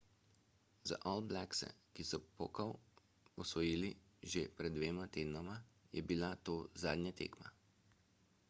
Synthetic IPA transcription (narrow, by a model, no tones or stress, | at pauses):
za̰ʔɔlblɛksɛ̰kisɔpokaw | ɔsʋɔjiːliʒepɾɛd̪d̪ːʋeːmat̪eːd̪nɔmajɛ̰bilat̪oːza̰ːd̪nʲɲɛt̪ḛːkma̰